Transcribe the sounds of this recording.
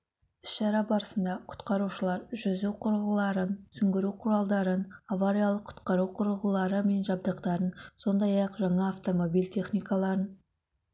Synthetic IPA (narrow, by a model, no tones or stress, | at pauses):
ʏ̥sʃɑɾɑbɑɾəsənd̪ɑqʰʊ̥t̪qɑɾuʃəlˠɑɾʒʏzuqʰʊɾəʁəlˠɑɾənsʏŋɡʲɪɾuqʰʊɾɑlˠd̪ɑɾənavaɾijalˠəqʰːʊ̥t̪qɑɾuqʰʊɾəʁəlˠɑɾəme̞nʒɑb̚d̪əqt̪ɑɾənso̞nd̪ɑjɑqʒɑɴɑːft̪o̞mo̞bijlʲt̪ʲʰe̞χnijkalˠɑɾən